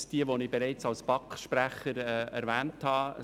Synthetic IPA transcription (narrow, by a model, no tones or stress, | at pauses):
sd̥iəʋonɪbeɾɛɪt͡sɑlspɑkχʃpɾæχəɾɛɛɾʋæːnthɑː